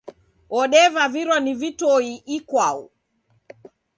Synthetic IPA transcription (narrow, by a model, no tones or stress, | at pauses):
ɔɗɛvaviɾwanivitɔiikwaṵ